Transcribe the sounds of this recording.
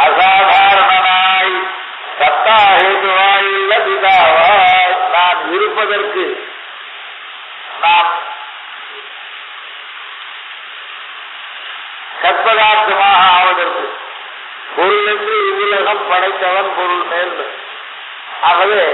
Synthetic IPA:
ɐsaːd̪ʱaːɾɐnɐmaːji | sɐt̪ːaːeːɣɯʋaːjɪɭːɐpɪðaːɐɐːnaːnɪɾɯpːɐðɐrkɯ | naːn | sɐɾpɐðaːt̪ːɐmaːɦɐʋɐðɐɾkɯ | kɔɾɯɭɐt̪ːɪlɪʋɪlɐɣɐmpɐɽɐɪt̪ːɐʋɐnpɔɾɯɭmeːɾlɯ | ɐɣɐʋeː

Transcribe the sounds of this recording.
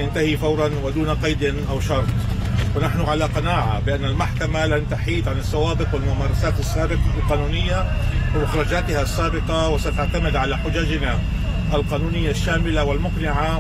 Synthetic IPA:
ant̪ahifawɾˤɑnwɪd̪uːnaqɑjd̪ɪnʔawʃɑɾˤt̪ˤ | wɪnaħnʊʕalaqɑnaːʕa̰bɪʔanːalmaħkamalant̪aħiːt̪ʕanɪsːawaːbɪqwɪlmʊmaːɾˤɑsaːt̪ɪsːaːbɪqɑlqɑːnuːnɪjːawɪmʊxɾˤɑd͡ʒaːt̪ɪhasːaːbɪqɑwɪsat̪aʕt̪amɪd̪ʕalaħʊd͡ʒaːd͡ʒna | ʔalqɑːnuːnɪjːaʃːaːmɪlawɪlmʊqnɪʕa

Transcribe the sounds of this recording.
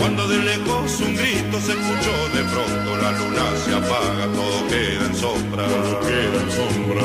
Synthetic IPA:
wand̪oðeleɣosuŋɡɾit̪osekut͡ʃoðefɾont̪olalunaseapaɣat̪oðokeðaensombɾao | keðanso | ɾa

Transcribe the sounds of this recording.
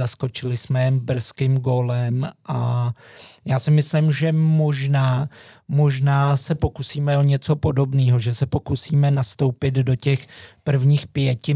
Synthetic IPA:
asko̞t͡ʃɪlɪsmɛɛmbr̩skɪmɡoːlɛmʔa | jaːsɪmɪslɪmʒɛmo̞ʒnaːmo̞ʒnaːsɛpo̞kusiːmɛoɲɛt͡so̞po̞do̞bniːɦo̞ʒɛsɛpo̞kusiːmɛnast̪o̞wpɪddo̞cɛxpr̩vɲiːxpjɛcɪ

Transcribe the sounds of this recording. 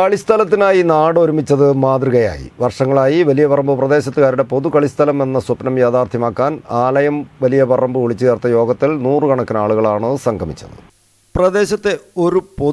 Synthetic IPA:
kɐɭist̪ʰɐlɐt̪̬ːinaːjinaːɽo̞ɾumit͡ɕːɐðɨmaːd̪riɣɐja̰ːjḭʋɐrʂɐŋːɐɭaːjiʋɐlijɐpɐrɐmbɨprɐd̪e̞ːɕɐt̪ːuɣaːɾiɽe̞po̞ðukɐɭist̪ʰɐlɐme̞nːɐsupnɐmjeːt̪aːrt̪ʰjɐmaːkːaːnaːlɐjɐmʋɐlijɐpɐrɐmbɨʋoɭit͡ɕːuɣɐrt̪ːɐjo̞ːɡɐt̪ːilnuːrɨkɐɳɐkːɨnaːɭuɣɐɭaːɳɨsɐŋɡʱɐmḭt͡ɕːɐ̰ðɨ̰ | prɐd̪e̞ːɕɐt̪ːe̞o̞ɾupo

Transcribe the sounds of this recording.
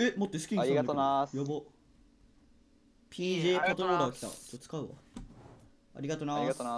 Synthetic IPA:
emot̪ːe̞sɨ̥kʲiɲiɡet̪onajobo | pʲʰiːʑeːkot̪oɾoːɾaokʲi̥t̪a̰t͡ɕot̪ːt͡sɨ̥kaɯ̟βa̰ | a̰ɾʲiɡat̪ona

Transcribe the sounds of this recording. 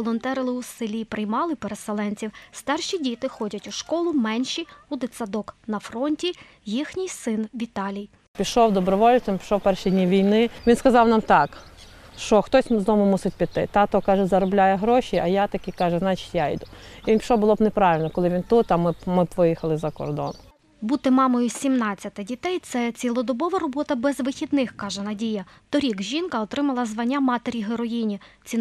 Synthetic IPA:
ɔlˠɔnt̪ɛɾɔlˠɪʊsɪlʲijpɾɪjmɑlˠɪpeɾeselˠɛnʲt͡sʲiwst̪ɑrʃʲidʲit̪ɪxɔdʲɐtʲuʃkɔlˠʊmɛnʲʃiʊd̪ɪsɐd̪ɔknɐfɾɔnʲtʲi | jixnʲɪjsɪnʋʲit̪ɑlʲij | pʲiʃɔwd̪ɔbɾɔʋɔlʲt͡s̪ʲɐmpʲi̥ʃɔwpɛrʃidʲnʲiʋʲijnɪʋʲinskɐzɑwnɑmt̪ɑkʃt͡ʃɔxt̪ɔsʲzd̪ɔmʊmusɪt̚ʲpʲid̪̚t̪ɪ̰t̪ɑt̪ɔkɑʒɛzɐɾɔblʲajɛɦɾɔʃʲiʔɐjat̪ɐkʲikɑʒɛznɑt͡ʃi̥tʲjajd̪uinʲpʃɔbʊlˠɔbnepɾɑʋɪlʲnɔkɔlˠɪʋʲint̪ut̪ɐmɪmɪbʋɪjixɐlˠɪzɐkɔ̰rd̪ɔ̰n | but̪ɪmɑmɔjʊsʲimnɑt͡st͡sʲːɐt̪ɪdʲit̪ɛjt̪sɛt͡sʲilˠɔd̪ɔbɔʋɐɾɔbɔt̪ɐbɛzʋɪxʲid̪nɪxkɑʒɛnɐdʲijɐt̪ɔɾʲiɡʒʲinkɐɔt̪ɾɪmɐlˠɐzʋɐnʲːamɑt̪eɾʲiɦeɾɔjinʲit͡sʲi

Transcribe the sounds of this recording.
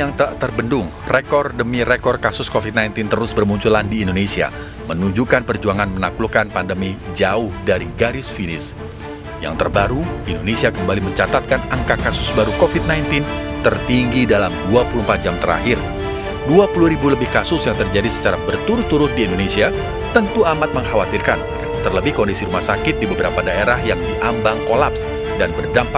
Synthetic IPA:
aŋt̪ərbəndʊŋ | rekɔrdəmirekɔrkasʊskofit̪̚najnt̪ɪnt̪əɾʊsbərmuɲt͡ʃulandiːndonesia̰ | mənuɲd͡ʒukanpərd͡ʒuaŋanmənaklukanpandəmid͡ʒaʊhdaɾiɡaɾɪsfinɪs | ja̰ŋt̪ərbaɾuindonesiakəmbaliməɲt͡ʃat̪at̪̚kanaŋkakasʊsbaɾukofit̪̚najnt̪ɪnt̪ərt̪iŋɡidalamduapuluəm̩pat̪̚d͡ʒamt̪əɾa̰ɦɪr | duapuluhɾibuləbɪhkasʊsjaŋt̪ərd͡ʒadisə̥t͡ʃaɾabərt̪uɾʊt̪ːuɾʊt̪̚diːndonesia | t̪ənt̪uamat̪̚məŋhawat̪irka̰n | t̪ərləbɪhkɔndisiɾumahsakɪt̪̚dibəbəɾapadaeɾahjaŋdiʔambaŋkolaps | danbərdampa

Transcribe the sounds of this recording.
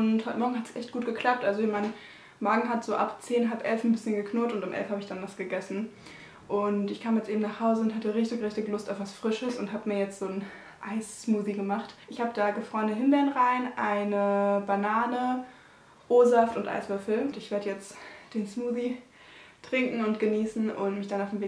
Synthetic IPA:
ʔʊnthɔʏtəmɔɐɡŋ̩ɦatsʔɛ̰çt̚ɡ̥uːt̚ɡ̥əkʰl̥ap̚tʔalzoɪçmaɪnə | mɔɐɡŋ̩ɦatz̥oːʔa̰pt͡seːnɦapʔɛlfn̩bɪsçənɡəkʰnʊɐtʊntʊmʔɛ̰lfhaːbəɪçd̥anvasɡ̥əɡɛsn̩ | ʔʊntɪçkʰaːmjɛt͡stʔeːbm̩naːχhaʊzəʊntɦatəʁɪçtɪçʁɪçtɪçlʊstaʊfv̥asfʁ̥ɪʃəsʊnthaːbəmiːɐjɛt͡stz̥oːn | ʔaɪsːmuːziɡəmaχtʔɪçhaːbəd̥aːɡəfʁ̥ɔːənəɦɪnbɛɐənʁaɪnʔaɪnəbanaːnə | ʔoːzaftʊntʔa̰ɪsv̥ʏɐfl̩tɪçv̥eːɐdəjɛt͡std̥eːnsmuːzi | tʁ̥ɪŋkŋ̩ʊnt̚ɡ̥əniːsn̩ʔʊntmɪçd̥anaʊfmveː

